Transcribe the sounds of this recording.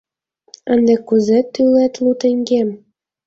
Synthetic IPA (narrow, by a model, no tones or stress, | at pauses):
ə̆nd̪ĕkuzet̪ylet̪lut̪ɘ̆ŋɡem